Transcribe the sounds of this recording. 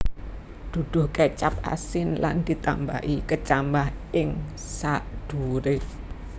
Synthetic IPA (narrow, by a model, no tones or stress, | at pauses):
d̪̥ṳd̪̥ʊ̤hket͡ʃap̚a̰sɪnla̰nd̪̥i̤t̪a̰mba̰ʔikət͡ʃambahɪŋ | sad̪̥uɾe